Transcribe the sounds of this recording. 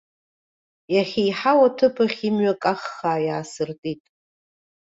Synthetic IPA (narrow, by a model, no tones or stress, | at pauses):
jaχʲijħawatʰɨpʰaχʲimɥakʼaχːaːjaːsɨrtʼitʼ